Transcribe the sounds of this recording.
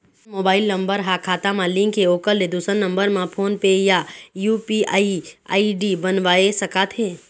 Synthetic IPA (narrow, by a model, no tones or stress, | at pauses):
moːbaːɪlnə̃mbəɾɦakʰaːt̪ãmãlɪ̃ŋkːeoːkəlːed̪usənːə̃mbəɾmãpʰoːnpejajuːpiaːia̰ːiɖibənʋaːesəkaːt̪ɦeː